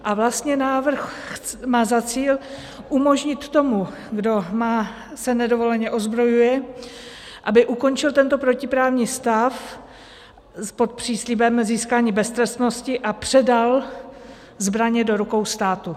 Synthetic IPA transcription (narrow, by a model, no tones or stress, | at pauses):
ʔavlast̪ɲɛnaːvr̩xmaːzat͡siːl | ʔumo̞ʒɲɪt̪ːo̞mu | ɡdo̞maː | sɛnɛdo̞vo̞lɛɲɛʔo̞zbɾo̞jujɛ | ʔabɪʔuko̞nt͡ʃɪlt̪ɛnt̪o̞pɾo̞cɪpɾaːvɲiːst̪af | po̞t̪̚pr̝̥iːslibɛmziːskaːɲiːbɛst̪ɾɛst̪no̞scɪʔapr̥ɛdal | zbɾaɲɛdo̞ɾuko̞wst̪aːt̪u